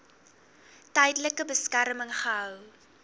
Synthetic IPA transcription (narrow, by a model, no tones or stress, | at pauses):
tɛjdələkəbəskæɾməŋχəɦœw